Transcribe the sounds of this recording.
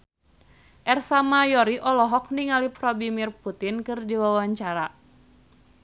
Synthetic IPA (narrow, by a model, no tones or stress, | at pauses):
ʔɛrsamajɔɾiʔɔlɔɦɔk̚niŋaliprɔbimirput̪inkɨrdiwawaɲt͡ʃaɾa